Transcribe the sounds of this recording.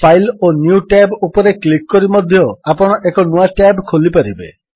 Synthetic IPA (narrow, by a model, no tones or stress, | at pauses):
pʰajlonjuʈabupɔɾeklikːɔɾimɔd̪ʱjɔapɔɽ̃ɔʔekɔnuaʈabkʰolipaɾibḛ